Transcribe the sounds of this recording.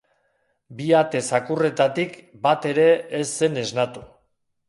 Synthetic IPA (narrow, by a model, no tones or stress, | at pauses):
biat̪e̞sakure̞t̪at̪ikbat̪e̞ɾe̞ːsːe̞ne̞znat̪u